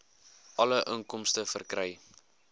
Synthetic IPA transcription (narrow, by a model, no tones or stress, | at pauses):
ʔɐləʔəŋkɔmstəfərkrəj